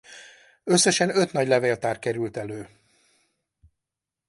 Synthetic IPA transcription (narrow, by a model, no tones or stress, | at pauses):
ø̞sːɛʃɛnø̞t̪nɒɟlɛveːlt̪aːrkɛɾylt̪ɛløː